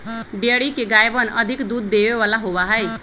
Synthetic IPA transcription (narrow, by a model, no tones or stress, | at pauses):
ɖjəɽikeɡajbənəd̪ʱikd̪ud̪ːebeʋalaɦobaɦəj